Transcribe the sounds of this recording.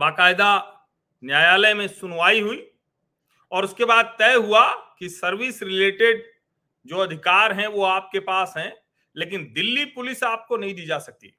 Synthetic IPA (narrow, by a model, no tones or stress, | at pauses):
baːkaːɪd̪a | njaːjaːləjmẽsʊnʋaːiɦuiː | ɔːɾʊskebaːd̪̚t̪ɛːɦuakisɐɾʋɪsɾɪleːʈeɖ | d͡ʒoːɐd̪ʱɪkaːɾɦɛ̃ʋoaːp̚kepaːsɦɛ̃ | leːk̬ɪnd̪ɪlːipʊlɪsaːp̚konɐɦĩd̪iːd͡ʒaːsɐk̚t̪ḭː